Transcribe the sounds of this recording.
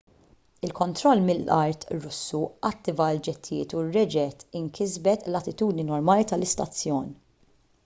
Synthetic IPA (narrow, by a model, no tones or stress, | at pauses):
ɪlkɔnt̪ɾɔlːmɪlːʔɐ̰ɾt̪ɾʊsːuʔɐt̪ːɪvɐld͡ʒɛt̪ːɪjɪ̰ːt̪urːɛd͡ʒɛt̪ɪŋkʰɪzbɛt̪lɐt̪ɪt̪uːd̪ninɔɾmɐːlit̪ɐlɪst̪ɐt͡sːjɔːni